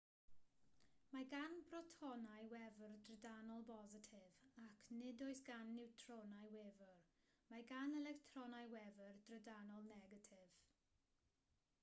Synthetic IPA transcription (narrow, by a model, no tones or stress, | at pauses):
maɡanbrɔtʰɔnajwɛvərdrədanɔlˠbɔzətʰɪvakʰnɪdojsɡ̥anːɪwtʰrɔnajwɛvər | maɡanɛlɛktʰrɔnajwɛvərd̥rədanɔlˠnɛɡətʰɪv̥